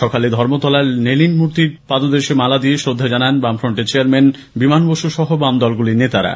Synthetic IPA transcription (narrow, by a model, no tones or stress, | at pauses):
ʃɔkaled̪ʱɔɾmot̪ɔlaɾnelinmuɾt̪iɾpad̪od̪eɾʃemalad̪ieʃɾod̪ʱːad͡ʑananbamfɾoɳʈet͡ɕeaɾmen | bimanboʃuʃɔɦobamd̪ɔlɡulinet̪aɾa̰